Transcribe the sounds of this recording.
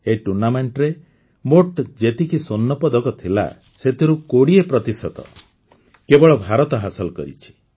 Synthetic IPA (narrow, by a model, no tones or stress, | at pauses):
eʈuɾnameɳʈɾe | moʈd͡ʒet̪ikisonːɔpɔd̪ɔkɔt̪ʰila̰ | set̪ʰiɾukoɽiepɾɔt̪isɔt̪ɔ̰ | kebɔɭɔbʱaɾɔt̪ɔɦasɔlɔkɔ̰ɾḭt͡ʃʰi̥